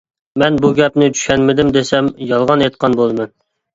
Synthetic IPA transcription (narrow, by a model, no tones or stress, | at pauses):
mɛnbuɡʲɛpnɪt͡ʃʰy̥ʃʲkʲɛnmɪd̪ɪmd̪esɛmjɑlˠʁɑnet̪̚qʰɑnbolˠmɨn